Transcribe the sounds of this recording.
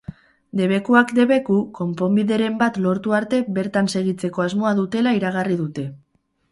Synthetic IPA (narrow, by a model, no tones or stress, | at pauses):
d̪e̞β̞e̞kuakd̪e̞βe̞kuko̞mpo̞mbiðe̞ɾe̞mbat̪lo̞ɾt̪uaɾt̪e̞βe̞ɾt̪anse̞ɣ̞it͡se̞ko̞azmo̞aðut̪e̞laiɾaɣ̞ariðut̪e̞